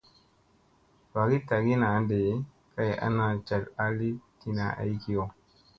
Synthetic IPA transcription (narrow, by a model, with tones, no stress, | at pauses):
ba˨ɡi˦ta˨ɡi˦na˨˦nde˨˦ | ka˦ja̰˦na˨t͡ʃa˨ta˦li˦ti˦na̰˨ʔa̰˨i˦ki˦jo˨